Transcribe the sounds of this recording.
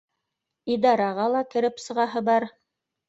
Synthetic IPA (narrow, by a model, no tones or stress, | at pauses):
id̪ɑɾɑʁɑlˠɑkɘ̆ɾɘpsɤ̆ʁɑɦɤbɑɾ